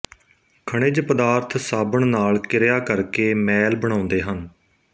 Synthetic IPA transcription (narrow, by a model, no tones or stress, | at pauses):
kʰəɽ̃ɪd͡ʒpəd̪aːɾt̪ʰsaːbəɳnaːlkɪɾjaːkəɾkeːmɛːlbəɽ̃ãːʊnd̪eːɦən